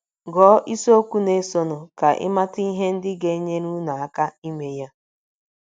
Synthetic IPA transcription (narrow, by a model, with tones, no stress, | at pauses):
ɡɔː˨˦ʔi˦so˦kʷu˦ne˦so˨nʊ˨ka˨ʔɪ̰˦ma˦ti˦i˦ɦe˦n̩˦dɪ˦ɡe˦ɲe˦nu˦na˨a˦˨ka˦i˦me˦ja˦